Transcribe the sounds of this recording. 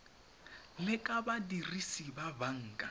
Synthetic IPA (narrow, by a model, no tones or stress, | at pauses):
lɪkʼabadirisibabaŋ̩ːkʼa